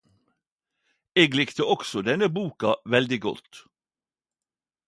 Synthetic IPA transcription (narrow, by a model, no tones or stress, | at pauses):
eːɡlɪkt̪əɔksɔd̪ɛnəbuːkɑʋɛld̪ɪɡɔ̰t̪